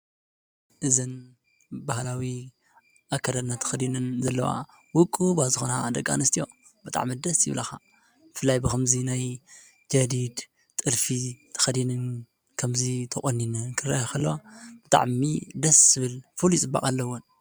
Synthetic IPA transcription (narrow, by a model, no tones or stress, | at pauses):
ʔɨzɨn | bahlawi | ʔakʰːɐɾɐd̪nat̪ʰɐ̥xɐd̪inɨnzɐlːɐwa̰ | wʊkʼubazɨxonad̪ɐɡa̰nɨst̪ʰijo̞ | bɨt̪ʼa̰ʕmid̪ɐsjɪ̰βlɐxa | bɨfɨlːajbɨkɐmzinaj | d͡ʒɐd̪id̪ | t̪ʼɨlfit̪ʰɐ̥xɐd̪inɨn | kʰɐmzit̪ʰɐkʼonːinɨkʰɨɾajakʰɐlːɐwab̥ɨt̪ʼa̰ʕmid̪ɐsːɨβɨlfuljt͡sʼɨba̰kʼalːɐwon